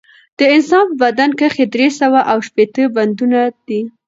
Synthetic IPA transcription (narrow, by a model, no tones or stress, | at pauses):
d̪̥əɪnsɑnfbad̪ankəxed̪ɾesawaʔawʃpet̪əband̪unad̪̥i